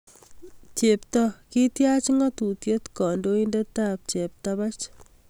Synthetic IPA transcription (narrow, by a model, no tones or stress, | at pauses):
t͡ʃeptɔkitjat͡ʃiŋatutjetkɔndoindetap̚t͡ʃep̚taβat͡ʃ